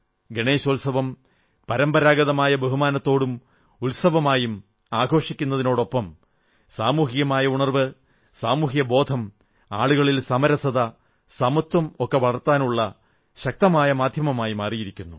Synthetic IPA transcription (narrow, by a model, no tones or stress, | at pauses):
ɡeɳe̞ːɕolsɐʋɐm | pɐɾɐmbɐɾaːɡɐðɐmaːjɐbeɦumaːnɐt̪ːo̞ːɽum | ulsɐbɐmaːjum | aːɡʱo̞ːʂikʲːunːɐðino̞ːɽo̞pːɐm | saːmuːɦijɐmaːjɐuɳɐrʋɨ | saːmuːɦjɐbo̞ːd̪ʱɐm | a̰ːɭuɣɐɭilsɐmɐɾɐsɐðɐ | sɐmɐt̪wɐmokːe̞ʋɐɭɐrt̪ːaːnuɭːɐ | ɕɐk̚t̪ɐmaːjɐmaːd̪ʱjɐmɐmaːjumaːrijiɾikʲːunːu